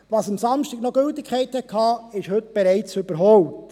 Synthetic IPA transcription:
ʋɑsɑmsɑmʃtɪɡnoɡ̥ɵltːɪkʰχɛɪthɛkʰɑːɪʃhɵtb̥ɛɾɛɪt͡sʉbəɾɦɔwpt

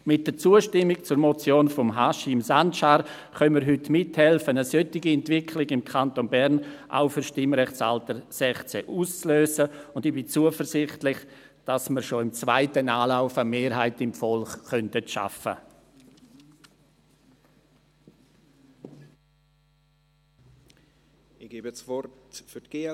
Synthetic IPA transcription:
mɪt̚d̥ət͡suːəʃtɪmːɪkt͡suɾmɔt͡sjoːnfɔmɦaʃimsantʃaːɾ | χœnməɾɦʏtmɪthɛlfənəsœtɪɡiɛntvɪkʰlɪɡɪmkʰantonbɛɾnʔa̰ʊfʏɾʃtɪmɾɛχt͡sa̰ltəɾsɛχt͡sɛ̰ʔuːst͡sløːsəʊndɪb̥it͡suəfəɾsɪχtlɪχ | d̥asməɾʃoɪmt͡svaɪtənaːlaʊfəmeːɾɦaɪtɪmfɔlχːœntətʃa̰fə̰ | ɪɡ̥eːbɛt͡svɔtfytɡ̥e

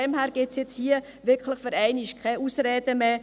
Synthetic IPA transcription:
ɛmhæːɾɡ̥ɪsjɛt͡shiːə | ʋɪɾkləχføɾæɪniʃkʰχɛuːsɾɛːd̥əme

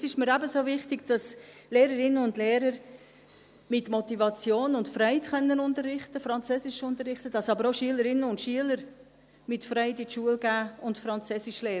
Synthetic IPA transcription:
sɪʃməɾæbəsoːvɪχtɪɡd̥ɑs | leːɾəɾɪnːənʊndleːɾəɾ | mɪtmɔtivɑt͡sjoːnʊntfɾɛɪtkœnːənʊntərːɪχtəfɾɑnt͡søːsɪʃʊntəɾrɪχtəd̥ɑsɑbəɾoʃyələɾɪnəʊntʃyələɾ | mɪtfɾɛɪtɪtʃuəlɡæːʊntfɾɑnt͡søːsɪʃleː

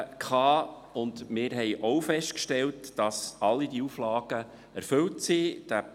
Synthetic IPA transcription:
kχɑː | ʊndmɪːɾɦɛjʔɔwfɛʃtkʃtɛltd̥ɑsɑlːidiuflɑːɡ̥ə | æɾfɵltsid̥æ

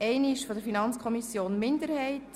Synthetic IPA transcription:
ɛɪniʃfodəɾfinɑnt͡skʰɔmisjoːnmɪndəɾhɛɪt

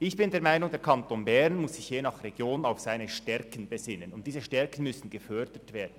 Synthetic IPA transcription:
ʔɪçb̥ɪndɛːɐmaɪnʊŋdɛːɐkʰɑntoːnbɛʁnmʊsːɪçjeːnɑχreɡ̥joːnaʊfz̥aɪnəʃtɛɾkən̩bəzɪnənʊnt̚d̥iːzəʃtɛɐkn̩mʏsn̩ɡ̥əfœdətv̥eːdn̩

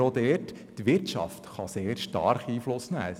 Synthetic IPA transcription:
od̪ɛːt | tʋɪɾt͡ʃɑ̰ft̪χɑseːɾʃtɑ̰ɾχiːflʊsnæ̰ː

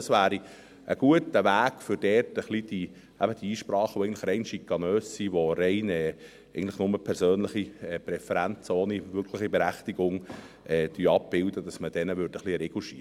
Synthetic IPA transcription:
əsʋæːɾi | ʔəɡuətəʋæːɡ̥fʏɾd̥ɛːrtəχlid̥i | æbəd̥iiːʃpɾɑːχəʋoɛɪɡəntləχɾɛɪnʃikːɑnøːssiʋoɾɛɪnɛ | ɛɡn̩tləχnʊməpʰɛɾsøːnləχiɛpɾɛfɛɾænt͡soːniʋʏɾkʰləχibeɾæχtiɡ̥ʊŋ | ʔɛːd̥yɑp̚b̥ɪldədɑsməd̥ɛnəʋʏɾrd̥əχliɾɛɡuʃḭ

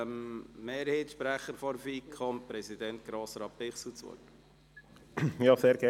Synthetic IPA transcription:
mmeːɾheːt̪ʃpɾæχəɾfɔɾfiːkʰɔmpɾɛsid̪ɛnt̪̚ɡ̥ɾoːsɾɑːppɪχsut͡sʋo̰t | jɑːseːɾɡɛ

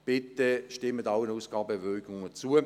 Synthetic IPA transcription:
b̥ɪt̪əʃtɪmədaʊɪnuːsɡ̥ɑːbɛvøːɡʊŋət͡suə

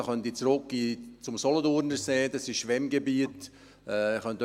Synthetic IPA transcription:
χœntit͡sɾʊk̚ɡit͡sʊmsɔlɔdʊɾnəɾseːdɑsɪʃʃʋɛmɡebiət | ɛχœnt

